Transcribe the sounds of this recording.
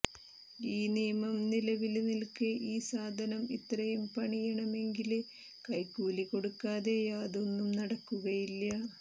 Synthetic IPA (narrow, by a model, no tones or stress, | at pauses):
iːnijmɐmnilɐʋilnilkɨʔiːsaːd̪ʱɐnɐmḭt̪rɐjumpɐɳijɐɳɐme̞ŋɡil | kɐjkuːliko̞ɽukːaːðejaːd̪onːumnɐɽɐkːuɣɐjilːɐ